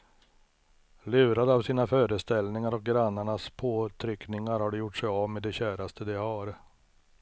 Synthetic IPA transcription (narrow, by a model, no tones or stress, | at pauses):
lʉ̟ːɾad̪avsiːnafœːɾəst̪ɛlnɪŋaɾɔk̚ɡɾanːaɳaspʰoːt̪ʰɾʏknɪŋaɾhaɖɛjʊʈʂɛjavmed̪ɛɕæːɾast̪ʰəd̪eɑːɾ